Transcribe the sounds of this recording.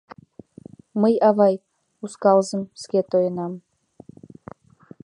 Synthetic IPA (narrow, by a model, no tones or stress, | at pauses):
məjɑvɑj | uskɑlˠzəmskʲet̪ojənɑm